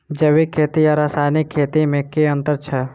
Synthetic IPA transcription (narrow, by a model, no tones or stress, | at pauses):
d͡ʒəʋikʰːeːt̪iəɾaːsaːnikʰːeːt̪imẽkeə̃nt̪əɾt͡ʃʰɛ